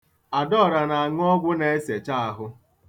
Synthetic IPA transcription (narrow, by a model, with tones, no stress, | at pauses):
a˨dɔ˦˨ɾa˨na˨a˨ŋ˦ɔ˦ɡʷʊ˦ne˨e˦se˨t͡ʃa˦a˨˦ɦʊ˦